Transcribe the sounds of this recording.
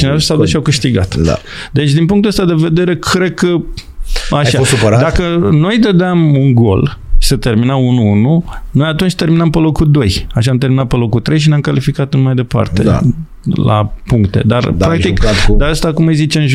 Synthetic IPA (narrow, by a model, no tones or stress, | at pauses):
t͡ʃinevasawd̪usʃiawkɨʃt̪iɡa̰t̪da̰ | d̪e̞t͡ʃʲd̪inpuŋkt̪uəst̪ad̪e̞ve̞d̪e̞ɾe̞kʰɾe̞d̪̚kə | aʃaɾd̪akəno̞jd̪əd̪eamuŋɡo̞̰l | ʃi̥sət̪e̞rminaunuununo̞jat̪unt͡ʃʲt̪e̞ɾminampəlokud̪o̞jaʃaamt̪e̞ɾminat̪̚pəlo̞kut̪ːɾe̞jʃ̬ineamkalifikat̪nmajd̪e̞pa̰rt̪ḛ | la̰puŋk̚t̪e̞̰d̪arpɾak̚t̪ikd̪aɾəst̪akumɨjzit͡ʃeɨnʒ